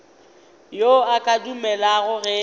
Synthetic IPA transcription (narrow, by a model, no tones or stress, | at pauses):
joakʼadumɛlaɣʊɣɛ